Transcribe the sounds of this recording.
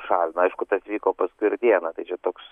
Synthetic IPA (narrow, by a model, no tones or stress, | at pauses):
ʃɑːlʲnɐɪʃkʊt̪ɐsʋʲiːkoːpɐskʊɪɪɾd̪ʲiɛnɐt̪ɐɪt͡ʃʲɛt̪oːks